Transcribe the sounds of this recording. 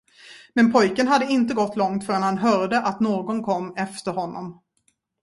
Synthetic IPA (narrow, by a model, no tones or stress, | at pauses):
mɛnpʰɔjkənɦad̪ːəɪnt̪əɡɔt̪ːlɔŋt̪fœːɾanhanɦœːɾɖ̪əʔat̪noːɡɔnkʰɔmːɛft̪əɾhɔnːɔ̰m